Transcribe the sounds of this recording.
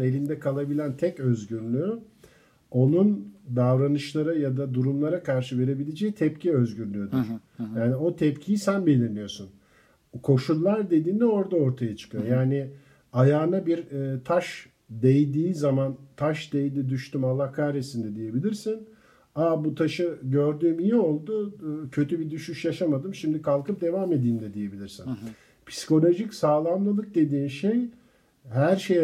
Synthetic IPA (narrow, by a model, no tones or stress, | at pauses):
e̞lʲind̪ɛkʰalˠabilʲænt̪ʰɛcø̞zɟyɾlʲyy | o̞nund̪avɾanɯʃlˠaɾajad̪ad̪uɾumlˠaɾakʰaɾʃɯve̞ɾe̞bilʲe̞d͡ʒɛjt̪ʰɛpcʰiø̞zɟyɾlʲyjo̞d̪uɾ̥jaːnio̞t̪ʰɛpcʰijisænbe̞lʲiɾlʲijo̞sun | kʰo̞ʃulˠːaɾd̪e̞d̪iːnd̪ɛo̞ɾd̪ao̞ɾt̪ʰajat͡ʃʰɯ̥kʰɯjo̞jaːnɪ | ajaːnabiɾt̪ʰaʃ | d̪ejd̪iːzamant̪ʰaʃd̪ejd̪id̪yʃt̪ymalˠːahkʰaɾesind̪ɛd̪ije̞bilʲiɾsin | abut̪ʰaʃɯɟø̞ɾd̪yːmijio̞lˠd̪ʊcʰø̞t̪ʰybid̪yʃyʃjaʃamad̪ɯmʃimd̪ikʰalˠkɯp̚d̪e̞vamed̪iːnd̪ɛd̪ije̞bilʲiɾsin | pʰi̥si̥ko̞lʲo̞ʒicsaːlˠamlˠɯlˠɯk̚d̪e̞d̪iːnʃej | ɦæɾʃej